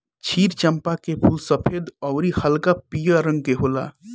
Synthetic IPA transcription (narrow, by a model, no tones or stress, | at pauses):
t͡ʃʰiːɾt͡ʃəmpakepʰulsəpʰed̪ɔʊɾihəlkapijaɾə̃ŋɡ̚keɦola̰